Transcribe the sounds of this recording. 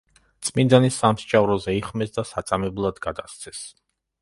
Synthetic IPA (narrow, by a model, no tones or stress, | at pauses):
t̪sʼmind̪anisamst͡ʃʼavɾɔzɛiχmɛsd̪asat̪sʼamɛblˠad̪ɡad̪ast̪sʰɛs